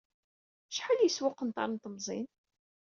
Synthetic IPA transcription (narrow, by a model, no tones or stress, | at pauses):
ʃħəljəswʊqːənt̪ɑ̰ɾˤnt̪əmzˤḭn